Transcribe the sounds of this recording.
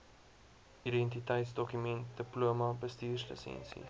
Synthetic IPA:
idɛntitəjtsdɔkymɛnt̚dəpluəmɐbəstiːrslə̰sɛ̰nsḭ

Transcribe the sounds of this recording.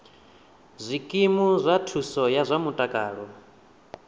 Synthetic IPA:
zʷikʼimuzʷatʰusɔjazʷamutʼakʼaːɺɔ

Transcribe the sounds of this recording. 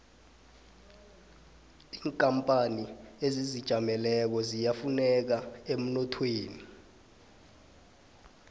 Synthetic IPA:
iːŋkʼampʼaniezizid̥ʒ̥ʱamɛlɛk̬ɔzijafunɛk̬aem̩nɔtʰweːni

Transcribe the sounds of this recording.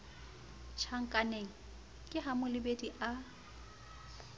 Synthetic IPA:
t͡ʃʰaŋ̩kʼaneŋ̩ | kʼɪɦamʊlɪbediʔa

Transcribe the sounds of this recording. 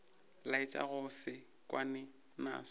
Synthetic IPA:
laɪt͡ʃʼa̰ɣʊsɪ | kʼwanɛ | na̰ːsɔ̥

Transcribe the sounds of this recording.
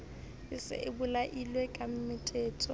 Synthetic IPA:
ɪsɪ̰ʔɪbʊlaʔilwekʼam̩mɪtʰʼɛːtʰʼɔ

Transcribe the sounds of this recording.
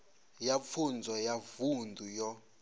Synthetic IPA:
jafʰund͡zʱwajavundʱujɔ

